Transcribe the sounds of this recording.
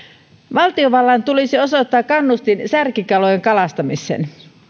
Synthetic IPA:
ʋɑlt̪ioʋɑlːɑnt̪ulisiosot̪ːɑːkkːɑnːust̪insærkikɑlojeŋkɑlɑst̪ɑmisˑḛːn

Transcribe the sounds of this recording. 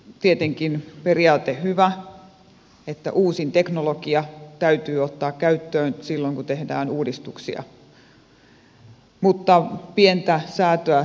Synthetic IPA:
t̪iet̪eŋkinperiɑːt̪ehyʋæ | et̪ːæ̰ʔuːsint̪eknolokiɑt̪æyt̪yːot̪ːɑːkkæyt̪ːøːnsilːoŋkut̪ehdæ̰ːnuːdist̪uksḭɑ̰ | mut̪ːɑpient̪æsæːt̪øæ

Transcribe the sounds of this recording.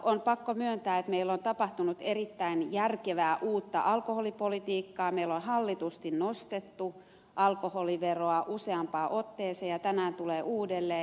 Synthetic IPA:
ʔonpɑkːomyønt̪æːet̪meilːont̪ɑpɑht̪unut̪erit̪ːæinjærkeʋæːʔuːt̪ːɑ̰ʔɑlkoholipolit̪iːkːɑːmeilonhɑlːit̪ust̪innost̪et̪ːu | ʔɑlkoholiʋeroɑʔuseɑmpɑːʔot̪ːeːseːjɑt̪ænæːnt̪uleːʔuːdelːeː

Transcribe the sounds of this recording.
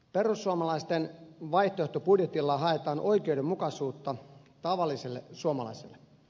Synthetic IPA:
perusːuɑmɑlɑist̪enʋɑjht̪oeht̪opudjet̪ilːɑɦɑet̪ɑːnʔoikeudemmukɑsuːt̪ːɑt̪ɑʋɑlːiselːḛsuomɑlɑ̰isḛlːe

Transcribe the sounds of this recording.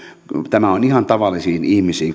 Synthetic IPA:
t̪æmæonihɑnt̪ɑʋɑlːˑisiːnihmisiːŋ

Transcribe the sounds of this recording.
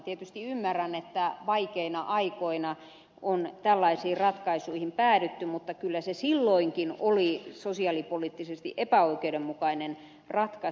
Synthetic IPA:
t̪iet̪yst̪iymːærænet̪ːæʋɑikeinɑʔɑikoinɑ | ʔont̪ælːɑisiːrɑt̪kɑisuihimpæːdyt̪ːymut̪ːɑkylːæsesilːoiŋkinolisosiɑlipolit̪ːisest̪ḭʔepæoikeudemmukɑinen | rɑt̪kɑ

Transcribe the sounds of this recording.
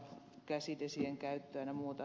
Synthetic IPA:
kæsit̪esieŋkæyt̪ːøænæmuːt̪ɑ

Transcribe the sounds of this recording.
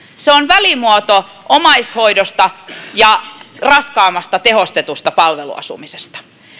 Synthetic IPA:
seonʋælimuot̪o | ʔomɑisho̞idost̪ɑjɑrɑskɑːmːɑst̪ɑt̪e̞ɦost̪et̪ust̪ɑpɑlʋelṵɑ̰sṵmisest̪ɑ̥

